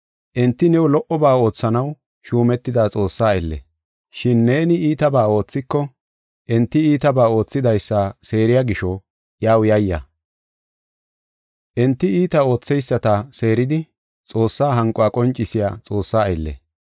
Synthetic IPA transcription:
ʔɛnt̪ːɪnɛwɔlɔʔɔbaːo̞ːt͡sːɐnɐw | ʃuːmɛt̪ːɪd̪aːt͡sʼo̞ːsːaːɐjlːɛ̰ | ʃɪnːe̞ːnɪiːt̪ɐbaːo̞ːt͡sːɪkːɔ | ʔɛnt̪ːɪiːt̪ɐbaːo̞ːt͡sːɪd̪ɐjsːase̞ːɾɪjaɡɪʃɔ | jaːwjɐjːɐ̰ | ʔɛnt̪ːɪiːt̪ɐo̞ːt͡sːɛjsːɐt̪ɐse̞ːɾɪd̪ɪ | t͡sʼo̞ːsːaːɦɐŋkʼːɔakʼɔnt͡ʃʼːɪsɪja̰ːt͡sʼo̞ːsːaːɐjlːɛ̰

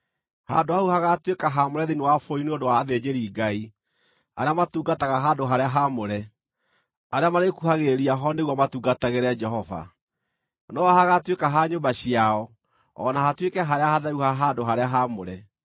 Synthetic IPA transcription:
ha̰ndohauhaɣatwekaɦamoɾɛðiniwafoineodowaːðed͡ʑeɾiːɡai | aɾeamatuːɡataɣaɦadoɦaɾeaɦamoɾɛ | aɾeamaɾekuhaɣeɾiaɦɔneɣwamatuːɡataɣeɾɛd͡ʒɛɦɔva̰ | nɔɔhaɣatwekaɦaɲombaɕiaɔ | ɔ̰nahatwekɛɦaɾeahaðauhaɦandoɦaɾeaɦamoɾɛ

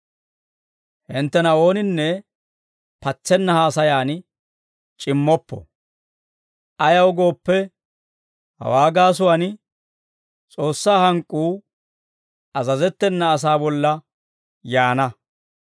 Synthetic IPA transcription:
hɪnt̪ːɛnɐo̞ːnɪnːɛ | pɐt͡sːɛnːɐhaːsɐjaːn | t͡ʃʼɪmːɔpːɔ̰ | ʔɐjɐwɡo̞ːpːɛ | hɐ̰waːɡaːs̬ʊwɐn | t͡sʼo̞ːsːaːhɐŋkʼːuː | ɐzɐzɛt̪ːɛnːɐːs̬aːbɔlːɐ | jaːnɐ

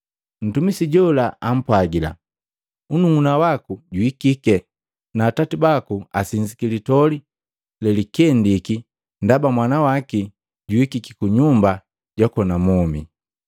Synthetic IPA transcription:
n̩tumisiɟɔlaam̩pwaɡila̰ | unuŋunawakuɟuikikɛ | naːtatibakua̰siɲd͡ʒikilitɔli | lɛlikɛndiki | ndabamwanawaki | ɟuikikikuɲumba | ɟɔkɔnamɔmḭ

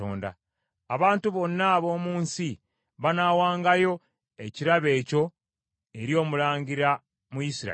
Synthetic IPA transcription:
o̰ːnda̰ː | βaːntuβo̞nːaːβo̞ːmuːnsi | βanawaːŋɡajo̞ | e̞ciɾaβe̞ːco̞ | e̞ɾjo̞ːmulaːɲɟiɾa | mujisiɾa̰

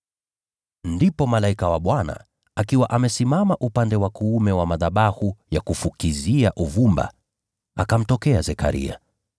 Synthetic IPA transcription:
ndipɔmalaikawaɓwana̰ | akiwaʔamɛsimamaʔupandɛwakuumɛwamaðaɓahujakufukiziaʔuvumba̰ | akam̩tɔkɛazɛka̰ɾḭa̰

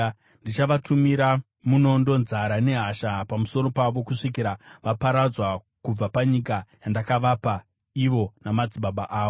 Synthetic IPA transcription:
ndit͡ʃaʋatumiɾa | muno̞ndo̞nzaɾane̞ɦaʃapamuso̞ɾo̞paʋo̞kuʂik̬iɾaʋapaɾad͡zwa | kub͡vapaɲikajandakaʋapa | iʋo̞namad͡ziɓaɓaʔaːo

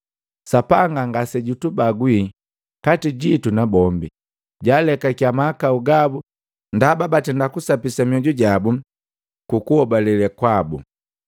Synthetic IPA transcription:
sapaŋɡaŋɡasɛɟutubaɡwi | katiɟitunabɔmbi | ɟalɛkakjamaːkauɡabu | ndababatɛndakusapisamiɔɟuɟabu | kukuhɔbalɛlɛkwabṵ

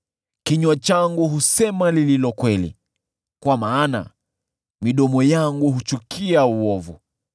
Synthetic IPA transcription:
kiɲwat͡ʃaŋɡuɦusɛmalililɔkwɛlḭ | kwamaːna̰ | miɗɔmɔjaŋɡuɦut͡ʃukʰiauwɔvu

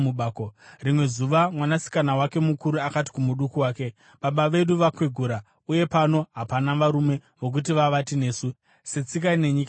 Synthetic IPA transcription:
uɓaːkorimwe̞zuʋamwanasi̥kanawake̞mukuɾuakat̬i̥kumuɗukuwaːke̞ | ɓaɓaʋe̞ɗuʋakwiɡʱuɾa | uje̞pano̞ɦapanaʋaɾume̞ʋo̞k̬ut̬iʋaʋatine̞ːsu | set͡sik̬aine̞ɲika

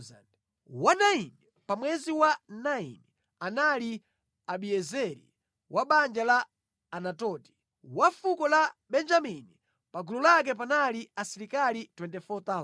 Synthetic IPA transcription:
za̰nd | wanaini | pamwɛziwanaḭni | anali | aɓiɛzɛɾḭ | wʔaɓand͡ʒalaː | natɔti̥ | wafukɔlaɓɛnd͡ʒamini | paɡulɔlak̬ɛp̬analiasiɾikalitwɛntɛfɔt̪a

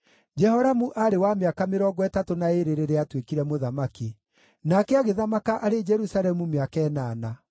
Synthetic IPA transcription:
d͡ʒɛhɔɾamuʔaɾewameakameɾɔɡɔɛtatonaeɾeɾeɾeatwekiɾɛmoðamaki | nakɛaɣeðamakaʔaɾed͡ʒɛɾusalɛmumeakɛːnaːna

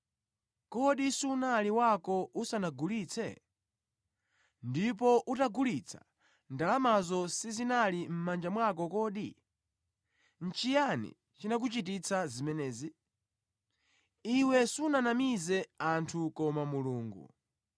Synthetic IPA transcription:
kɔɗisunaliwakɔʔusanaɡuliːt͡sʰɛ̰ | ndip̬ɔʔutaɡulit͡sʰḁ̰ | ndalamazɔsizinalim̩mand͡ʒamwakɔkɔːɗi | n̩t͡ʃijanḭ | t͡ʃinak̬ut͡ʃitit͡sʰazimɛnɛːzi | iwɛsunanamizɛantʰukɔmamuluːŋɡṵ

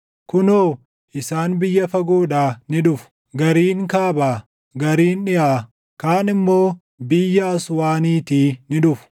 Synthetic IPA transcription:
kʊnoː | ʔɪsaːnbɪjːɐfɐɡuːᶑaːnɪᶑʊfʊ̥ | ɡɐɾiːŋkaːbaː | ɡɐɾiːnᶑɪʔaː | kaːnɪmːo̞ː | bɪjːɐːɐswaːniːt̪iːnɪᶑʊfʊ̥

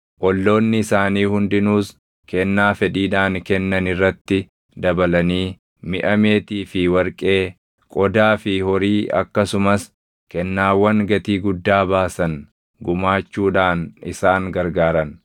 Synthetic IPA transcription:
ʔɔlːo̞ːnːɪɪsaːniːhʊnd̪ɪnuːs | kɛnːaːfɛᶑiːᶑaːŋkɛnːɐnɪrːɐt̪ːɪ | d̪ɐbɐlɐniː | mɪʔɐmeːt̪iːfɪwɐɾkʼe̞ː | kʼɔd̪aːfɪhɔɾiːɐ̰kːɐsʊmɐs | kɛnːaːwːɐŋɡɐt̪iːɡʊd̪ːaːbaːsɐn | ɡʊmaːt͡ʃːuːᶑaːnɪsaːŋɡɐɾɡaːɾɐn

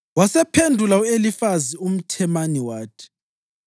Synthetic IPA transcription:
wasɛpʰendʱulauelifazium̩tʰɛmaniwaːtʰɛ̥

